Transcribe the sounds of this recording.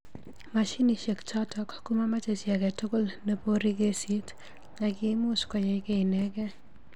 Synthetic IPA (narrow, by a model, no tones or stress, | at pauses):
maʃiniʃekt͡ʃɔtʰɔkkumamat͡ʃesjakɛtokolnepoɾikesit | ɲakimuskɔjejkeinɛkɛ